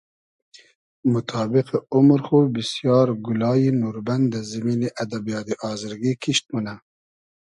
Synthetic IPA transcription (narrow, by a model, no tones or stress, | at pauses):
mut̪ʰɑːbiqeumɾxubisjɑːɾɡulɑːjinuːɾband̪d̪azimiːniʔad̪abijɑːd̪iʔɑːzaɾɡikʰiʃt̪̚muna